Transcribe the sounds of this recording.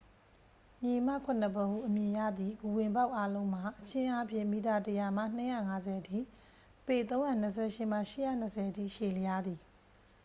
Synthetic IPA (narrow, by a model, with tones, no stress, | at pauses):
ɲe˨m̥a̰˦˨kʰʊ̃˨n̥ə˨põ˨ʔṵ˦˨ʔəmjɪ̃˨ja̰˦˨d̪ði˨ɡu˨wɪ̃˨mba˦ʊʔa˦lõ˦ʊ̃m̥a˨ʔət͡ɕʰɪ̃˦ʔa˦pʰjɪ̰̃˦˨mi˨ta˨təja˨m̥a̰˦˨n̥ə˦ja̰˦˨ŋa˨˦zɛ˨tʰḭ˦˨ | pe˨t̪õ˦ʊ̃jã˨nə˨s̬ʰɛ̰˦˨ʃɪ˦˨m̥a̰˦˨ʃɪ˦˨jä̰˦˨n̥əsʰɛ˨tʰḭ˦˨ʃe˨ləja˦d̪i˨